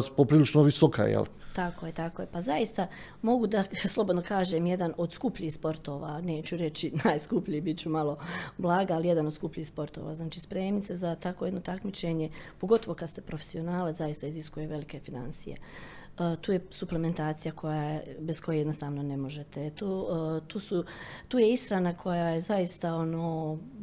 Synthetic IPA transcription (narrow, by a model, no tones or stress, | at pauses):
spopɾiːlit͡ʃnoʋisokʰa̰jḛlt̪ako̞jet̪ako̞jepazaist̪a | mo̞ɡud̪aslˠo̞bod̪no̞kaːʒemje̞d̪ano̞d̪skupʎiːspo̞ɾt̪o̞ːʋa̰ne̞ːt͡ɕuɾe̞t͡ɕinaːjskupʎijibit̪t͡ʃumalˠo̞blˠaːɡaːlije̞d̪anod̪skupʎiːhspo̞ɾt̪o̰ːʋa̰ːznaːt͡ʃiːspɾeːmnit̪sezat̪akojed̪no̞t̪akmit͡ʃe̞ɲe̞po̞ɡo̞t̪o̞ʋo̞kad̪st̪epɾofe̥sio̞naːlat̪ajist̪aiziskujeʋe̞like̞fina̰nsḭjḛ | t̪uːje̞supleme̞nt̪aːt̪sijakʰo̞jaebesko̞jejed̪nost̪aːʋno̞ne̞mo̞ʒet̪et̪uːt̪uːsut̪uːje̞isxɾanakʰo̞jajezajist̪ao̞noː